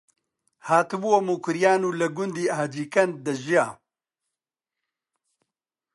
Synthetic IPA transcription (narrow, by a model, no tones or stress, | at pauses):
haːt̪ɨbuwomuːkʊɾjaːnuːlɐɡʊnd̪iːaːd͡ʒiːkɐn̚d̪ɐʒijaː